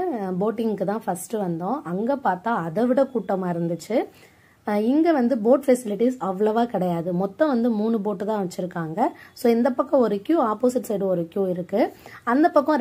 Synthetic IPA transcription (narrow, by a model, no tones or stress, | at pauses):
boːʈːɪŋɡkːɯt̪ãːfɐsʈɯʋɐnd̪õʔɐŋɡeːpaːɾt̪aːɐðɛʋɪɽɐkuːʈːɐmaːɪɾɯnd̪ɯt͡ʃːɯ | ɪŋɡeʋɐnd̪ɯboːʈfɛsɪlɪʈisɐʋːɐɭɐʋaːkɪɽɐjaːðɯmɔt̪ːɔ̃ʋɐnd̪ɯmuːɳɯboːʈːɯt̪ãːʋɐt͡ʃːɪɾɯkːaːŋɡɐsoːɪnd̪ɐpːɐkːɔ̃ɔɾɯkjuːaːpoːsɪʈːsɛjɾɯ̃ɔɾɯkjuːɪɾɯkːɯɐnd̪ɐpːɐkːɔ̃